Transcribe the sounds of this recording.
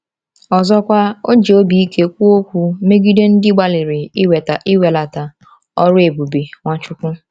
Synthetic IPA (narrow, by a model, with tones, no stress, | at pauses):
ɔ˨zɔ˦kʷa˦o˦d͡ʒe˨o˦bi˦i˦ke˦kʷu˦o˦kʷu˨me˦ɡi˦de˦n̩˦dɪ˦ɡ͡ba˦lɪ˨ɾɪ˨i˦we˨ta˨ʔɪ˦we˨la˨ta˨ | ɔ˦ɾʊ˦e˨bu˨bi˨ŋʷa˦t͡ʃʊ˦kʷʊ˦